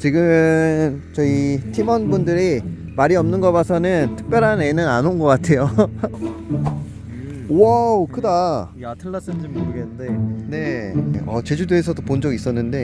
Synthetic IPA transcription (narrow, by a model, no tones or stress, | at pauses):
t͡ɕiɡɯnt͡ɕʌitʰimʌnbundɯɾi | maɾiʌmnɯnɡʌbasʰʌnɯntʰɯ̥k̚p͈jʌɾɦanenɯnanonɡʌk͈atʰe̞jo | akɯda | atʰɯɭːas͈ɯnd͡ʑimːoɾɯɡenɯnde̞ne̞ʌ̰t͡ɕe̞d͡ʑudeesʰʌdopond͡ʑʌɡis͈ʌnːɯnde̞